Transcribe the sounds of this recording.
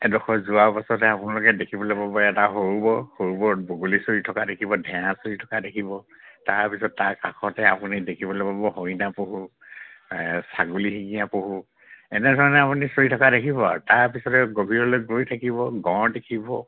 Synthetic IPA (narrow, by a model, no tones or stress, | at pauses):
ɛdɔxʰɔzʊapasɔtɛapunalʊkɛdekʰibɔlopabɔɛtaɦoɹubɔhoɹubɔboɡulisoɹitʰɔkadekʰibɔdʱɛ̃ãsoɹitʰɔkadekʰibɔtaɹpisɔtːaɹkakʰɔtɛapunidekʰibɔlepabɔɦojnapoɦu | saɡuliɦikijapoɦu | ɛnɛdʱɔɹɔnɛapunisoɹitʰɔkadekʰibɔtaɹpisɔtɛɡobʱiɹɔlojɡojtʰakibɔɡɔ̃ɹdekʰibɔ